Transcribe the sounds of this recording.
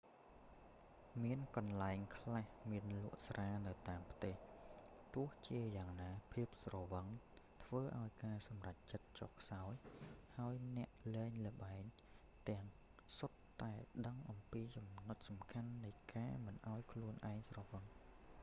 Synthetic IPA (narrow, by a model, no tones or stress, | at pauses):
miənkɑnlaɛŋkʰlahmiənlʊ̆əʔsrʔaːnɨwt̪aːmpʰt̪eːh | t̪ʊ̆əht͡ɕiəjaːŋnaːpʰiəp̚srɑʋəŋt̪ʰʋəːʔaɔjkaːsɑmrac̚t͡ɕət̪̚t͡ɕɔhkʰsaɔjhaəjnɛ̆əʔlɛːŋlə̆ɓaɛŋ | t̪ɛ̆əŋ | sot̪ːaɛɗəŋʔɑmpiːt͡ɕɑmnot̪̚sɑmkʰanːɨjkaːmɨnʔaɔjkʰluənʔaɛŋsrɑʋəŋ